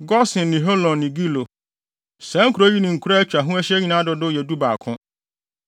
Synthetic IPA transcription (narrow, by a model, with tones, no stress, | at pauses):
ɡɔ˦sɪ̃˨nːɪ̃˨ɦo˦lɔ̃˨nːɪ̃˨ɡi˦lo˨ | sɛ̃˨˦ŋ̩˦kʰu˨ɾo˦ɥi˦nɪ̃˨ŋ̩˨kʰu˦ɾa˦t͡ɕᶣa˨ɦʊ̃˦ɛ˦ɕɛ˦ɲi˦nã˦dʊ˦dʊ˦jɛ˨du˦ba˨kʰʊ̃˦